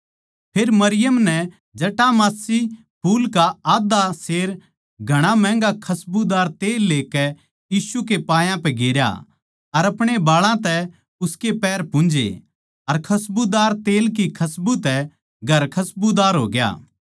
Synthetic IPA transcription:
pʰeːɾmɐɾɪjəmnɛ | d͡ʒɐʈamaːsi | puːlkaaːd̪aseːɾ | ɡʱɐɽ̃amɛ̃ːŋɡakʰɐsbud̪aːɾt̪eːlːeːkɛ | jiːsuk̬epaːjãpɛ̃ɡeːɾja̰ | ɐɾɐpɽ̃ebaːɭãt̪ɛ | ʊskepɛːɾpʊ̃nd͡ʒḛ | ɐɾkʰɐsbud̪aːɾt̪eːlk̬ikʰɐsbut̪ɛ | ɡʱɐɾkʰɐsbud̪aːɾɦo̰ːɡja̰ː

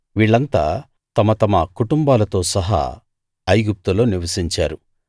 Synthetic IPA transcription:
ʋiːɭːɐnt̪a̰ː | t̪ɐmɐt̪ɐmɐkuʈumbaːlɐt̪o̞ːsɐɦa̰ː | ɐjɡup̚t̪ulo̞ːniʋɐsiɲt͡ʃaːɾu

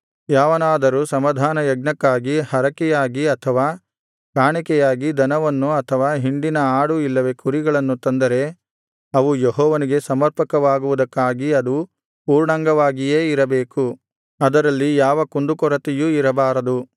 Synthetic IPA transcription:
jaːʋɐnaːd̪ɐɾusɐmɐd̪ʱaːnɐjɐɡ̚nɐkːaːɡihɐɾɐkɛjaːɡiɐt̪ʰɐʋaː | kaːɳikɛjaːɡid̪ɐnɐʋɐnːuɐt̪ʰɐʋaːɦiɳɖinɐaːɽuilːɐʋe̞kuɾiɡɐɭɐnːut̪ɐnd̪ɐɾe̞ | ɐʋujeɦɔːʋɐniɡe̞sɐmɐɾpɐkɐʋaːɡuʋud̪ɐkːaːɡiɐd̪u | puːɾɳɐŋɡɐʋaːɡijeːiɾɐbeːku | ɐd̪ɐɾɐlːijaːʋɐkund̪ukɔɾɐt̪ijuiɾɐbaːɾɐd̪u

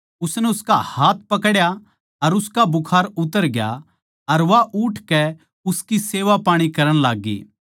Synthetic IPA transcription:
ʊsnɛʊskahaːt̪̚ʰpɐkɽja | ɐɾʊskabʊkʰaːɾʊt̪əɾɡja̰ | ɐɾʋaʔʊʈʰkɛ | ʊskiseːʋapaːɽ̃ikɐɾəɽ̃laːɡːḭː

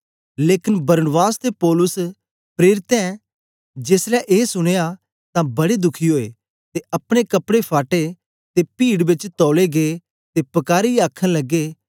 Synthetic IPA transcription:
leːkɪnbɐɾnbaːst̪epɔːlʊs | pɾeːɾɪt̪ɛ̃ | d͡ʒeːslɛʔeːsʊɽ̃eːa | t̪ãbɐɽed̪ʊkʰiɦoːḛː | t̪eʔɐpɽ̃ekɐpɽepʰaːʈe | t̪epiːɽbɪt͡ʃt̪ɔːleɡe | t̪epɐkaːɾiaːkʰːə̃lɐɡːeː

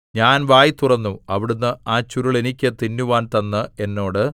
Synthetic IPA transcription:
ɲaːnʋaːjit̪urɐnːuɐʋiɽunːɨaːt͡ɕːuɾuɭe̞nikʲːɨt̪inːuʋaːnt̪ɐnːɨe̞nːo̞ːɽɨ

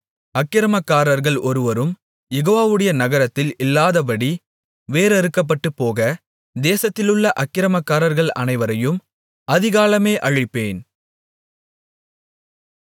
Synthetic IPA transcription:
ɐkːɪɾɐmɐkːaːɾɐɾɣɐɭʔɔɾɯʋɐɾɯm | jɛɣoːʋaːʋɯɽɐjɐnɐɣɐɾɐt̪ːɪlɪlːaːðɐbɐɽi | ʋeːɾɛɾɯkːɐp̬ːɐʈːɯpːoːɣɐ | d̪eːsɐt̪ːɪlɯɭːɐʔɐkːɪɾɐmɐkːaːɾɐɾɣɐɭɐ̰nɐɪʋɐɾɐjɯm | ɐðɪɣaːlɐmeːʔɐɻɪpːeːn

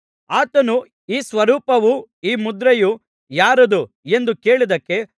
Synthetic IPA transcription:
aːt̪ɐnu | iːsʋɐɾuːpɐʋuiːmud̪ɾeju | jaːɾud̪u | e̞nd̪uke̞ːɭid̪ɐkːe̞

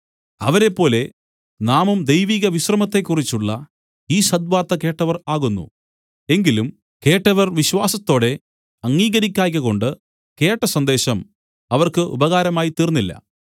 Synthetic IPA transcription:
ɐʋɐɾe̞pːo̞ːle̞ | naːmumd̪ejʋiːɣɐʋiɕrɐmɐt̪ːe̞kːurit͡ɕːuɭːɐ | iːɕɐd̪̚ʋaːrt̪ɐke̞ːʈːɐʋɐraːɣunːṵ | e̞ŋɡilum | ke̞ːʈːɐʋɐrʋiɕwaːsɐt̪ːo̞ːɽe̞ | ɐŋːiːɣɐɾikʲːaːjk̬ʲːɐɣo̞ɳɖɨ | ke̞ːʈːɐsɐnd̪e̞ːɕɐm | ɐʋɐrkɨʔṵbɐɣaːɾɐmaːjit̪iːrnːilːɐ̰

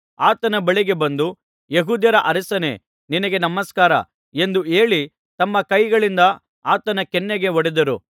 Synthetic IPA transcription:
aːt̪ɐnɐbɐɭiɡe̞bɐnd̪u | jeɦuːd̪jɐɾɐʔɐɾisɐnḛ | ninɐɡe̞nɐmɐskaːɾɐ̰ | e̞nd̪ue̞ːɭi | t̪ɐmːɐkɐjɡɐɭind̪ɐ | aːt̪ɐnɐkɛnːeɡe̞ʋoɽid̪ɐɾṵ

